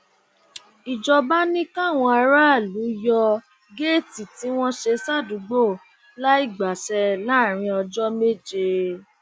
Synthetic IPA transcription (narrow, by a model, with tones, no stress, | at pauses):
i˨d͡ʒɔ˧ba˦nĩ˦kã˦˨w̃ɔ̃˧a˧ɾa˦˨lu˨˦jɔ˧ | ɡe˦˨ti˨ti˨˦w̃ɔ̃˦ʃe˧sa˦˨du˨˦ɡ͡bo˦˨ | la˦i˦˨ɡ͡ba˨sɛ˧la˦˨ɾ̃ĩ˧ɔ˧d͡ʒɔ˦me˦d͡ʒe˧